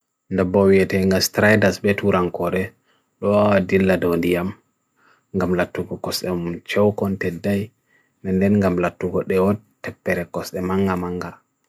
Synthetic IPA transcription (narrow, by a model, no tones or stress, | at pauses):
ndabɔwiɛtɛŋɡastɾajdasbɛtuɾaŋkɔɾɛ | ɗɔwawadilːadɔwndijam | ŋɡamlatːuɡɔkɔsɛmut͡ʃɛwkɔntɛdːaj | nɛndɛnŋɡamlatːuɡɔɗɛwɔ | tːɛpːɛɾɛkɔsɗɛmaŋɡamaŋɡa